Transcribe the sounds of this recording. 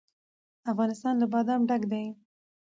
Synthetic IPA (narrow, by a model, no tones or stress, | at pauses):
afɣɑnɪst̪ɑnləbɑd̪ɑmɖaɡd̪aj